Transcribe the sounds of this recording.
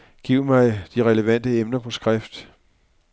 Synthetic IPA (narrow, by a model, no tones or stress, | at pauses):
ɡ̥ḭʊ̰mɑ̈ɪd̥iʁɛləʋæn̰d̥əemnɐpʰɒ̽sɡ̥ʁɛfd̥